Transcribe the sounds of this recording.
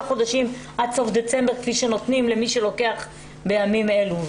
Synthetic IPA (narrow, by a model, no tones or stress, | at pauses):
χo̞d̪aʃimʔad̪so̞fd̪e̞t͡se̞mbeʁkfiʃeno̞t̪nimlemiʃe̞lo̞ke̞aχ | bejamimeluv